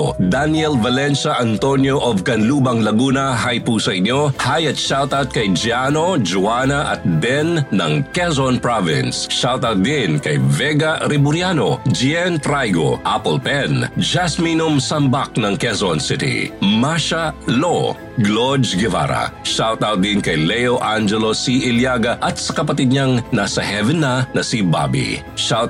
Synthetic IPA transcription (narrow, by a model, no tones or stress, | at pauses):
d̪anjɛlvɐlɛnʃɐʔɐnt̪onjoʔovkɐnluːbɐŋlɐɡuːnɐɦajpusɐʔɪɲjohajɐt̪̚ʃalt̪ɐt̪̚kɐjd͡ʒianod͡ʒuanɐʔɐ̰t̪̚b̪ɛnːɐŋkɛzɔnpɹavɪ̰nsʃalt̪ɐd̪inkɐjvɛɡaɾɪbʊɾjanod͡ʒiɛnt̪ɾajɡo̰ʔapolpɛnd͡ʒasminumsɐmbak̚nɐŋkɛsonsɪt̪ḭmaʃalo | ɡlod͡ʒɡɛva̰ɾɐ̰ʃalt̪aw̚d̪inkɐjlɛjoʔand͡ʒɛlosiʔɪljaɡɐʔɐt̪̚sɐ̥kɐpɐt̪id̪̚ɲaŋnasɐɦɛvɛnːanɐsiba̰bḭ | ʃal